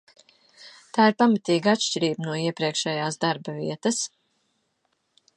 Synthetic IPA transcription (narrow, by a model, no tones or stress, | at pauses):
t̪aːiɾpamat̪iːɡat̪ʃt͡ʃiɾiːbnuɔiɛpɾiɛkʃɛjaːsd̪aɾbɐvḭɛt̪ɐs